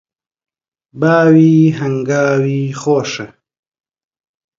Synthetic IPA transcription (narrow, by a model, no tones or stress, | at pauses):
baːwiːɦɐŋɡaːwiːxoːʂe